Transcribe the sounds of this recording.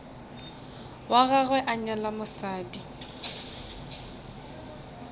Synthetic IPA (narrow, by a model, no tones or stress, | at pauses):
waɣaɣwɛʔaɲalamʊsaːdi